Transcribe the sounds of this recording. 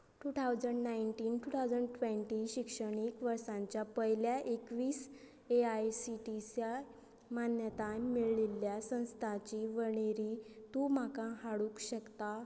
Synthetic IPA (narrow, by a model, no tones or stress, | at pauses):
ʈut̪ʰawd͡zəɳɖnajɳʈiːnʈut̪ʰawd͡zəɳɖʈʋẽɳʈiɕikʂəɽ̃ikʋəɾsãɲt͡ɕjapəɦjljaʔekʋiːs | eajsiʈisja | manjət̪ãmiɭlilːjasə̃w̃st̪ʰat͡ɕiʋəɳ̃eɾiːt̪um̤akãɦaɽuːkɕəkt̪a